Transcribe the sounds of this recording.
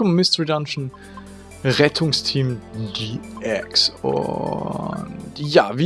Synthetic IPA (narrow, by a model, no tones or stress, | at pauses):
ʊmmɪstɹidamʃn̩ | ʁɛtʰʊŋstʰiːmdiʔɛksʊ̰ | ntjaːvi